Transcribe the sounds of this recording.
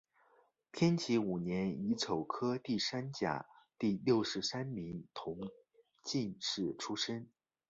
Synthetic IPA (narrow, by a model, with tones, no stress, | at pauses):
t̪ʰjɛ˥nt͡ɕʰi˧˥u˨˩njɛ˧˥ni˧˥ʈ͡ʂʰo˨˩ʊkʰɤ˥t̪i˥˩sa˥nt͡ɕja̰˨˩˦t̪i˥˧ljo˥˩ʊʂɻ̩˧˥sa˥nmi˧˥ŋt̪ʰʊ˧˥ŋ | t͡ɕi˥˧nʂɻ̩˥˩ʈ͡ʂʰu˥ʂə˥n